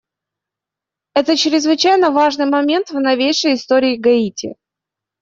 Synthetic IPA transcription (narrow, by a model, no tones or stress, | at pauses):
ɛt̪ət͡ɕɾʲɪzvɨt͡ɕæjnəvaʐnɨjmɐmʲe̞nt̪vnɐvʲejʂəjɪst̪o̞ɾʲɪːɡɐitʲɪ̰